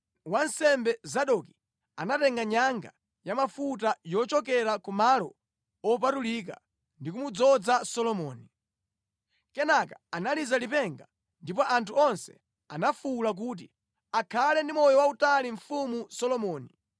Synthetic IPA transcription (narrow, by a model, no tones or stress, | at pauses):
wansɛmbɛzaɗɔki | anatɛŋɡaɲaŋɡa̰ | jamafut̬ajɔt͡ʃɔkɛɾakumalɔ | ɔp̬atulik̬a̰ | ndik̬umud͡zɔd͡zasɔlɔmɔːni | kɛnakaanalizalipɛŋɡa | ndip̬ɔʔantʰuɔnsɛ̥̰ | anafulak̬uːt̬i | akʰalɛndimɔjɔwautaliɱ̩fumusɔlɔmɔːni